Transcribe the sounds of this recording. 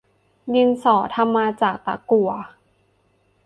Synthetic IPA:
ji˧nsɔː˨˩˦t̪ʰa˧mːaː˧t͡ɕaː˨˩k̚t̪a̰˨˩ku˨˩ɐ˦

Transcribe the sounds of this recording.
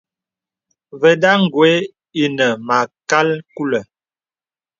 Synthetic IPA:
və˨da˦ŋ̩˨ɡwe˦ | i˦nə˨ma˨ka˦lku˦lə˨

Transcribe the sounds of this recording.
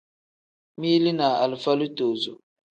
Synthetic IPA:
mi˦li˦na˨a˨lfa˦lu˦to˨zo˨

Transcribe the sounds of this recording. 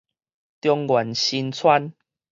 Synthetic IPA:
t̪jɔ˧ŋɡwa˨˩nɕi˧nt͡sʰwa˦n

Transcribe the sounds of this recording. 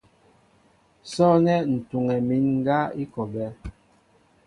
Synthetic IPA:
sɔ˦nɛ˦n̩˨tu˨ŋɛ˨mi˨˦nŋ˦ɡa˦i˦kɔ˨bɛ˦

